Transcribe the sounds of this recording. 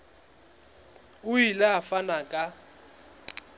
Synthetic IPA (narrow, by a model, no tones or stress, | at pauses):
ʊilɛafanakʼa